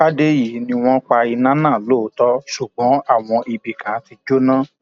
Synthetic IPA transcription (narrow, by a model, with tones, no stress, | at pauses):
a˦de˦ji˨nĩ˧w̃ɔ̃˦k͡pa˧i˧nã˦nãː˦˨lo˦tɔ˦ʃu˨ɡ͡bɔ̃˨˦a˦˨w̃ɔ̃˧ʔi˧bi˨kã˨˦ti˧d͡ʒo˦nã˦